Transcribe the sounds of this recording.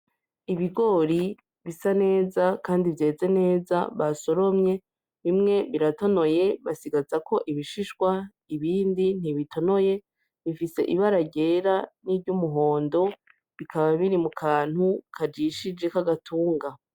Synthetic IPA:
iβiɡo̞ɾi | βisane̞ːzakaːndivje̞ːze̞ne̞ːza̰βaso̞ɾo̞mɲe̞ | βimŋe̞βiɾato̞no̞je̞βasiɡazako̞ʔiβiʃiʃɡwa | iβiːndin̥iβitʰo̞no̞je̞ | βifise̞̰ʔiβaɾaɟe̞ːɾanivɟumuɦo̞ːndo̞ | βikʰaβaβiɾimukʰaːn̥hukʰad͡ʒiʃid͡ʒe̞kaɡatʰuːŋɡa

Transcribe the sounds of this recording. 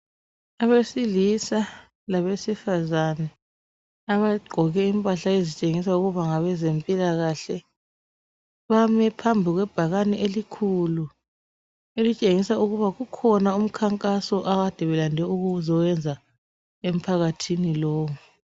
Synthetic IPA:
aβesilisa | laβesifazanɛ | aβaɡ͡ǃʱɔɣɛimpʼaɬaezit͡ʃʼeŋisauɣuβaŋaβɛzempʼilaɣaɬɛ | βamɛpʰambʱiɣwɛb̥ʱaɣanɛʔelikʰulu | elit͡ʃʼeŋisauɣuβaɣukʰɔnaum̩kʰaŋkʼasɔʔaɣad̥ʱɛβɛlandʱɛuɣuzɔwɛnd͡zʱa | em̩pʰaɣatʰinilɔːwu

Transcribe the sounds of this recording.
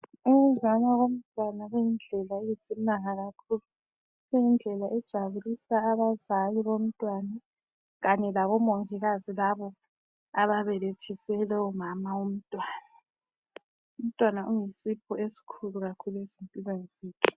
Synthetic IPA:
uɣuzanaɣom̩tʼwanaɣujind͡ɮʱɛlaejisinaŋaɣakʰulu | ɣujind͡ɮʱɛlaʔɛd̥ʒ̥ʱaβulisaːβazaliβom̩tʼwana | ɣaɲɛlaβɔmoŋʱiɣazilaβɔ | aβaβɛlet͡ʃʰisɛlɛumamaum̩tʼwaːna | um̩tʼwanaʔujisipʰɔesi̥kʰuluɣakʰuluezimpʼilenisiːtʰu̥

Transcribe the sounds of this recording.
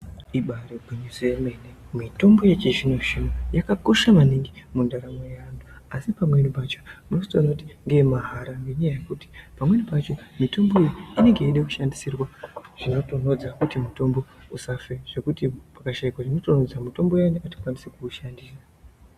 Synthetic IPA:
iɓaɾeɡʱeɲuzojeme̞ne | mito̞mbo̞je̞t͡ʃiʐinoʐinojakako̞ʃamaniŋɡimundaɾamojːnduasipamwenipat͡ʃomuno̞stonakuti̥ŋɡe̞maɦaɾaŋɡeɲajaje̞kuti̥pamwe̞nipat͡ʃo̞mito̞mbo̞ijiine̞ŋɡe̞iɗeku̥ʃandisirwaʐ̥ino̞tono̞d͡zakutimuto̞mbo̞ | usafeʐ̥e̞kutipakaʃaikwaʐino̞to̞no̞d͡zamito̞mbo̞januati̥kwanisekuʃandiːsa

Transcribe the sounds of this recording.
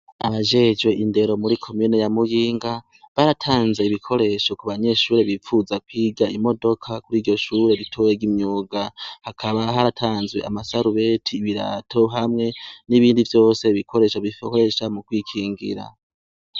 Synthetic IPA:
aβaʒe̞d͡ʒwe̞ʔinde̞ɾo̞muɾikʰo̞miːne̞jamujiːŋɡa | βaɾatʰaːnze̞iβikʰo̞ɾe̞ʃo̞kuβaɲe̞ʃuːɾe̞βifuzakwiːɡaimo̞do̞kʰakuɾiːɟo̞ʃuːɾe̞ɾitʰojeɡimɲuːɡahakʰaβaɦaɾatʰaːnzwe̞ʔa̰masaɾuβe̞tʰiːβiɾa̰tʰo̞ɦamŋe̞niβiːndivjo̞ːse̞βikʰo̞ɾe̞ʃaβifkoe̞ʃamukwiːkʰiːŋɡḭɾa̰

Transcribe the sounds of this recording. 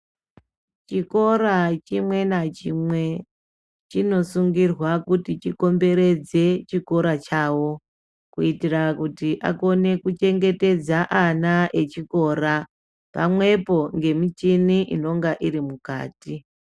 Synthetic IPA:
t͡ʃiko̞ɾat͡ʃimwe̞nat͡ʃimwe̞ | t͡ʃino̞suŋɡirwakutit͡ʃiko̞mbe̞ɾe̞d͡ze̞t͡ʃiko̞ɾat͡ʃaːwo̞ | kuitirakutiʔa̰ko̞ne̞kut͡ʃe̞ŋɡe̞te̞d͡zaʔanaʔe̞t͡ʃiko̞ːɾa | pa̰mwe̞po̞ŋɡe̞mit͡ʃiniʔḭno̞ŋɡaʔiɾimuka̰ːti

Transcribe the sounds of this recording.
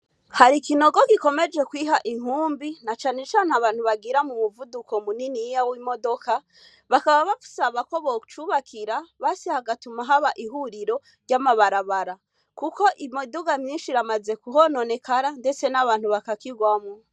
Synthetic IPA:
haɾikino̞ɡoɡiko̞me̞d͡ʒe̞kwiɦaʔiŋuːmbinat͡ʃaːne̞t͡ʃaːneaβaːnhuβaɡiɾamumuvudukomuninijawiːmo̞do̞ka | βakaβaβaku̥saβako̞βout͡ʃuβakʰiɾaβasihaɡatumaɦaβaʔiɦuɾiɾo̞ | ɾɟamaβaɾaβaɾa | kuko̞ʔimoduɡamɲiːnʃiɾamaze̞kuɦono̞ne̞kaɾande̞t͡se̞naβaːn̥huβakakiɡwamŋo

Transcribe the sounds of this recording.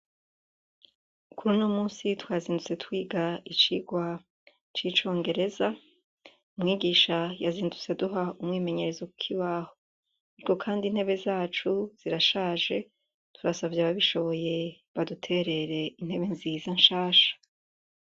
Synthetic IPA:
kuɾunoːmuːnsitwaːziːndut͡se̞twiːɡait͡ʃiːɡwa | t͡ʃit͡ʃo̞ːŋɡe̞ɾe̞za | umŋiːɡiːʃajaziːndut͡seduɦaumŋiːme̞ɲe̞ɾe̞zokukʰiβaːho | aɾiko̞kʰaːndin̥he̞βe̞zaːt͡ʃuz̥iɾaʃaːʒe̞ | tuɾasavjaβaβiʃo̞βo̞je̞ | βadutʰe̞ɾe̞ɾe̞in̥he̞βe̞nziːzanʃaːʃḁ

